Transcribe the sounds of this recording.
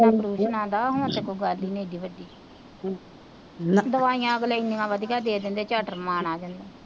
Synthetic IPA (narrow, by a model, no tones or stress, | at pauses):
ãːpəɾuːʃənãːd̪aːɦʊ̃ət̪eːkoːɡalːiːneːd̪iːʋəɖiː | d̪əʋaːijãːəɡlaːɪnd̪ɪŋãːʋəd̪ikaːd̪eːd̪ɪnd̪eːt͡ʃaːʈəɾmaːnaːd͡ʒãːnd̪eː